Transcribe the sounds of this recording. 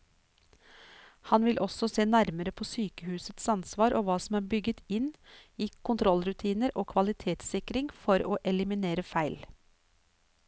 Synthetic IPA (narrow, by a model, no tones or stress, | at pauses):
hɑnʋɪlʔɔsɔseːnæɾməɾəpʰoːsyːkəhʉːsət̪sɑnsʋɑːɾʔoːʋɑːsɔm̩æːɾbʏɡət̪ɪniːkʰʊnt̪ʰɾɔlɾʉt̪ʰiːnəɾoːkʰʋɑlɪt̪ʰeːt̪sɪkɾɪŋfɔɾoːʔɛlɪmɪneːɾəfæɪl